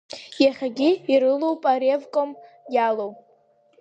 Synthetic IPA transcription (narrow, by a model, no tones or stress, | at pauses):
jaχʲaɡʲɪiɾɨlowpʼaɾevkʷʼom | jalow